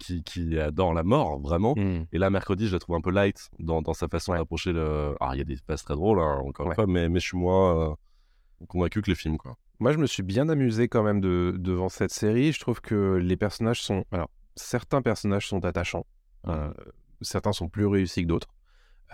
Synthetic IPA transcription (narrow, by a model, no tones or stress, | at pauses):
kʲʰikʲʰiad̪ɔʁlamɔʁvʁɛmɑ̃elamɛʁkχəd̪iʒəlat̪χuvɛ̃pølajt̪d̪ɑ̃d̪ɑ̃safasɔ̃apχɔʃeøa̰iljad̪epaz̥t̪χɛd̪ʁolɛ̃ɑ̰̃kɔʁiwɛnfwamɛmɛʃimwaø | kɔ̃vɛ̃kʲyklefilmkwa̰ | mwaʒəməsɥibjɛ̃namyzekɑ̃mɛmd̪əd̪əvɑ̃sɛt̪seʁiʒət̪χuvkʰəlepɛʁsɔnaʒsɔ̃alɔ̰ʁ | sɛʁt̪ɛ̃pɛʁsɔnaʒsɔ̃t̪at̪aʃɑ̃ | ø̰ | sɛʁt̪ɛ̃sɔ̃plyʁeysikəd̪ot̪χ